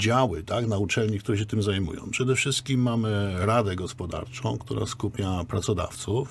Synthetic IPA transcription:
d͡ʑawɘt̪aknaut͡ʂɛlɲikt̪uɾɛɕ̬ɛt̪ɘmzajmṵjɔ̰̃w̃pʂɛd̪ɛfʂɘst̪kʲimːamɘɾad̪ɛɡɔspɔd̪a̰ɾt͡ʂɔ̃w̃kt̪uɾa̰skupʲjapɾat̪sɔd̪a̰ft̪suf

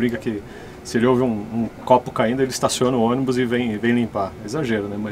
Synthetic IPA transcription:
bɾĩŋkɐkɪ | sɪelɪowvɪũũkɔpʊ̥kaĩd̪ʊelɪist̪asiõnɐʊõnibʊzɪvẽj̃vẽj̃lĩmpaɛezaʒeɾʊnɛmɐ

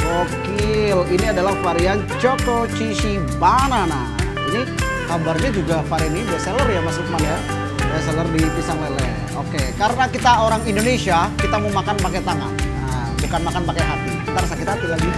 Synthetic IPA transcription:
kokiliniadalafaɾian | t͡ʃok̪ot͡ʃiʃi | banana | ini | hambarɲad͡ʒuɡafaɾianinibuaʔselərjamasukəmana | ɛs̬ɛlərdipisaŋlelɛ̰ | okekaɾənakit̪aoɾaŋindonesiakit̪aməmakanpakajt̪aŋan | bukanmakanpakajɦat̪ikit̪aɾasakit̪aap̪ilaɡi

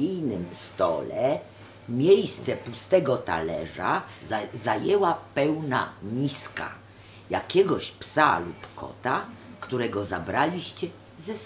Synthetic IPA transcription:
ijnɘmst̪ɔ̰lɛ | mʲjejst̪sɛpust̪ɛɡɔt̪a̰lɛʐa̰zajɛwapɛwna̰mʲiska̰ | ja̰kʲɛɡɔɕpsa̰lupkʰɔ̰t̪akt̪uɾɛɡɔzabɾalʲiɕt͡ɕɛ | zɛs

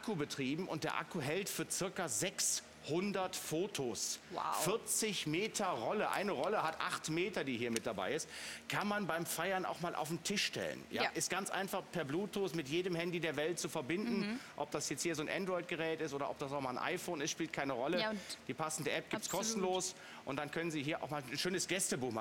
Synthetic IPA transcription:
ʔakʰubətʁ̥iːbm̩ʊnt̚d̥eːɐʔa̰kuɦɛltfyːɐt͡sɪɐkazɛks | hʊndɐtfoːtʰoːswa̰fɪɐt͡sɪçmeːtʰɐʁɔləʔa̰ɪnəʁɔləhatʔaχtmeːtɐdiːhiːɐmɪt̚d̥aba̰ɪɪstkʰanmanbaɪmfaɪɐnʔa̰ʊxmaːlʔa̰ʊfn̩tʰɪʃʃtɛ̰lə̰nja̰ʔɪstɡ̥ant͡sʔa̰ɪnfaχpʰɛɐbluːtʰosmɪtjeːdəmhɛndideːɐvɛlt̚t͡sufɛɐbɪndn̩ʔɔp̚d̥asjɛt͡sthiːɐzoːnʔɛ̰ndʁɔɪt̚ɡ̥əʁɛːtɪstʔoːɾɐʔɔp̚asaʊxmaːlnʔa̰ɪfoːnɪstʃpiːlt̚kʰaɪnəʁɔləd̥iːpʰasn̩dəʔɛp̚ɡ̥iːptskʰɔɔstn̩loːs | ʔʊntd̥ankʰœnənziːɦiːɐʔa̰ʊxmaːln̩ʃøːnəsɡ̥ɛstəbuːxma

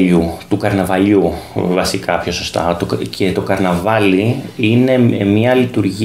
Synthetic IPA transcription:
ʎut̪ukɐɾnɐvɐʎuvɐsikɐpçoso̞st̪ɐ̰t̪cʰet̪o̞kɐɾnɐvɐliine̞mɲɐlit̪uɾʝi

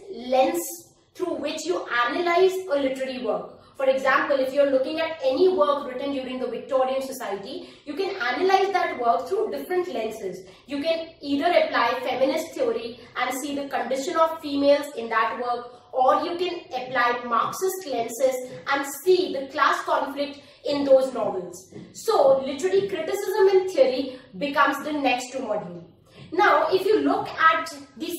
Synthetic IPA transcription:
lɛ̃ns | t̪ʰɾuːʋɪt͡ʃjuʔænəlaɪzəlɪʈəɾəɾiʋəːɾk | fɔɾeɡzæ̃mpəlɪfjuəɾlʊkɪ̃ŋæʈɛniʋəɾkɾɪʈə̃nɖjuːɾɪ̃ŋd̪əʋɪk̚ʈɔːɾiə̃nsɔsaɪəʈijuːkɛ̃nænəlaɪzd̪æʈʋəɾk̚t̪ʰɾuːɖɪfɾə̃ɳʈlɛ̃nsɪz | juːkɛ̃niːd̪əɾəplaɪfɛmɪnɪsʈ̚t̪ʰiəɾi | æ̃ɳɖsiːd̪əkə̃ɳɖɪʃə̃nɔːʋfiːmeːlzɪ̃nd̪æʈʋəɾk | ɔːɾjuːkɛ̃nəplaɪmaːksɪsʈlɛ̃nsɪzʔæ̃ɳɖsiːd̪əklæːskɔ̃nflɪk̚ʈ | ɪ̃nd̪oːznɔːʋəlz̥soːlɪʈəɾəlikɾɪʈɪsɪzə̃mɪ̃nt̪ʰiəɾibɪkʌ̃mzd̪ənɛksʈːuməɖəl | naʊʔɪfjuːlʊkæʈd̪i

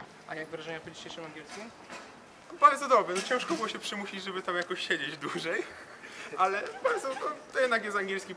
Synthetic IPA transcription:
ʔajaɡvɾaʐɛɲapɔd͡ʑi̥ɕejʂɨmaŋɡʲɛlskʲim | ɔbaɾd̪zɔd̪ɔbɾɛnɔt͡ɕɛ̃w̃ʂkɔbwɔɕɛpʂɘmuɕid͡ʑʐɛbɘt̪amjakɔɕɕed͡ʑed͡ʑd̪wuʐɛj | ʔalɛbaɾd̪zɔt̪ɔt̪ɔjɛd̪nak̬jɛst̪aŋɡʲjɛlskʲi

